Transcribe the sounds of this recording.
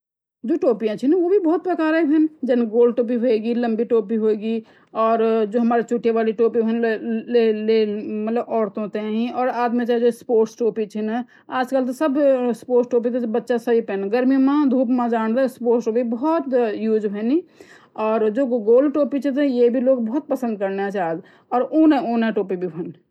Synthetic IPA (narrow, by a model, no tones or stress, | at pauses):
d͡ʒoːʈoːpijãt͡ʃʰinʋobʱibɔːt̪̚pɾəkaːɾebʱɛnd͡ʒenɡoːlɖʈoːp̬iɦoeɡilə̃mbiʈoːpiɦoeɡi | ɔːɾd͡ʒoːɦɐmaːɾet͡ʃuːʈʰːeʋaːliʈoːpibʱənelemɐt̪ləbɔːɾt̪õt̪eɦĩɔːɾaːd̪mẽt͡ʃːd͡ʒospoːɾʈsʈoːpit͡ʃʰin | aːd͡ʒkəlt̪̬ɔsəbspoːɾʈsʈop̬it̪ɔtbətːʃasəɦipɛnɡəɾmijõmẽd̪ʱupmad͡ʒaːnɾaspoɾsʈobibəɦɔt̪juːd͡ʒbʱəni | ɔːɾd͡ʒoɡɡoːlʈopit͡ʃʰɛt̪̬ɔjebʱiloɡbɔɦut̪̚pəsə̃nd̪̚kəɾneat͡ʃʰaːd͡ʒ | ɔːɾoneoneʈoːpibʱibʱən